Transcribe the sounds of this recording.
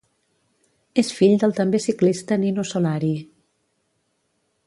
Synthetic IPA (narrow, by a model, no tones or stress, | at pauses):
esfiʎd̪əlˠt̪əmbesiklist̪əninosolaɾi